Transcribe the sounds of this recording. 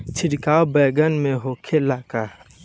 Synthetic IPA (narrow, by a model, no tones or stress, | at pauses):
t͡ʃʰɪɽkaːwbɛːɡənmẽɦoːkʰelaːka